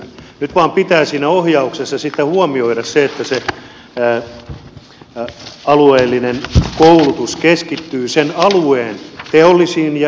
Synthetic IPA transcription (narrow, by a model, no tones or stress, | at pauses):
nyt̪ʋɑːmpit̪æːsiːnæohjɑuksesːɑsit̪ːæhuɑmioiɾɑsseet̪ːæse | ɑlueːlːinenkoulut̪uskeskit̪ːyːsenɑlueːnt̪eolːisiːnj